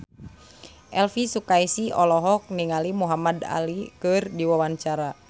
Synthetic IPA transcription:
ʔɛlfisukaisiɔlɔɦɔk̚niŋalimuɦamada̰likɨrdiwawaɲt͡ʃaɾa

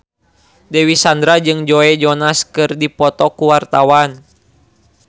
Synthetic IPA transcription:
dɛwisand̪ɾad͡ʒɨŋd͡ʒɔɛd͡ʒɔnaskɨrdipɔt̪ɔkuwart̪awan

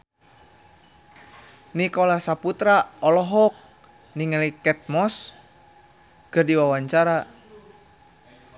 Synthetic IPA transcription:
nikɔlasaput̪ɾaɔlɔɦɔk̚ | niŋalikɛt̪̚mɔs | kɨrdiwawaɲt͡ʃaɾa

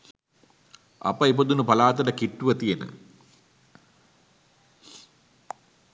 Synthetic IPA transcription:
ɐ̰pəipod̪unupɐlaːt̪ɐɖəkiʈːuʋət̪ijenə̰

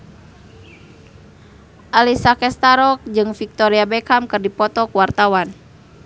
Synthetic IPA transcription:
ʔalisakɛst̪aɾɔk̚d͡ʒɨŋfik̚t̪ɔɾiabɛkamkɨrdipɔt̪ɔkuwart̪awan

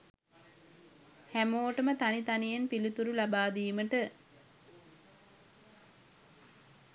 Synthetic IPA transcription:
hæmoːʈəmət̪anit̪anijenpilit̪uɾulabaːd̪iːməʈə

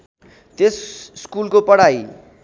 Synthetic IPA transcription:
t̪esskulkopʌɽaj

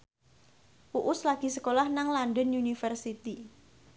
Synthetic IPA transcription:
uʔʊslaɡ̥i̤səkolahnaŋlandɔnunifərsit̪i

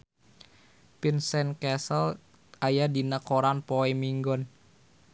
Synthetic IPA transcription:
pinsɛnkɛsəl | ʔajadinəkoɾanpoɛmiŋɡɔn

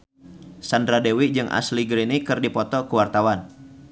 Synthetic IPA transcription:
sandɾadewid͡ʒɨŋʔa̰sliɡɾinikɨrdipɔt̪ɔkuwart̪awan

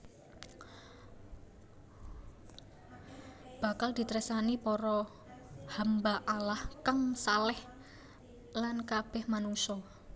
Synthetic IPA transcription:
b̥a̤kald̪̥i̤t̪ɾɛsanipɔɾɔ | hambaʔalahkaŋsalɛh | lankab̥ɛ̤hmanuŋsɔ

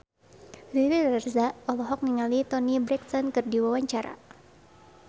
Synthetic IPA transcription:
riɾirɛrzaʔɔlɔɦɔk̚niŋalit̪ɔnibɾɛk̚t̪ɔnkɨrdiwawaɲt͡ʃaɾa̰

